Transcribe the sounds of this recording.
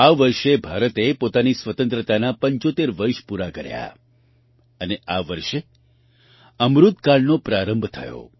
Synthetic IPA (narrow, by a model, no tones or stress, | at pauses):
aʋəɾʃebʱaɾət̪epot̪anisʋət̪ə̃nt̪ɾət̪anapəɲt͡ʃot̪eɾʋəɾʃpuɾakəɾja̰ | əneaʋəɾʃe | əmɾut̪kaɭnopɾaɾəmbʱt̪ʰə̰jo̰